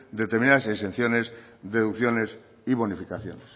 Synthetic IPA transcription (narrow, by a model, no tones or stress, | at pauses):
d̪et̪eɾmĩnaðasesen̟θjone̞zðe̞ðukθjo̞ne̞s | iβonifikaθjo̰nes